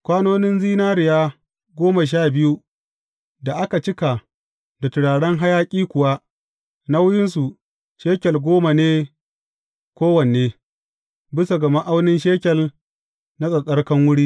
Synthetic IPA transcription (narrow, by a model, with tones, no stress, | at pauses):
kʷaː˦noː˦nɪ˦nziː˦naː˦ɾɪ˨jaː˦ | ɡʷoː˦ma˨ʃ̬aː˦˨bɪ˦ju˦ | da˨ʔa˦ka˨t͡ʃɪ˦ka˨ | da˨tʊ˨ɽaː˨ɽɛ˦ŋɦa˦jaː˦kʲʼiː˦kʷʊ˨wa˦ | na˦wʊ˦jɪ˦ns̬u˨ | ʃeː˦kʲɛ˨lɡʷoː˦ma˨neː˦ | kʷoː˦wɐ˨n˨eː˦ | bɪ˦sa˨ɡɐ˨ma˦ʔa˦wnɪ˦nʃeː˦kʲɛ˨l | na˦sʼɐ˨sʼɐ˦rkɐ˦ŋwʊ˦ɽiː˦